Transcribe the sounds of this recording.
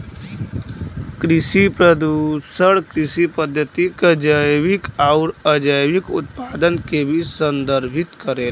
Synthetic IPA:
kɾɪʃipɾəd̪usəɽkɾɪsipəd̪ʱjət̪ikəd͡ʒəjʋɪkaʊɾəd͡ʒəjʋikʊ̰t̪̚paːd̪ənkebʱisə̃nd̪əɾbʱɪt̪kəɾeːl

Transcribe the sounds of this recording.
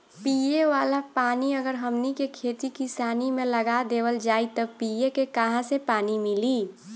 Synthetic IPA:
pijeʋaːlapaːniəɡəɾɦəmnikekʰet̪ikisaːnimẽləɡad̪eːwəld͡ʒaːit̪əpiekekəɦãsepaːnimili

